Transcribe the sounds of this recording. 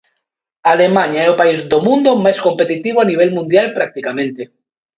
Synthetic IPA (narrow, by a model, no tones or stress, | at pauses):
alemaɲaɛopaizðomũnd̪omajskompet̪it̪iβ̞oaniβ̞ɛlmũnd̪jalpɾak̚t̪ikamẽnt̪e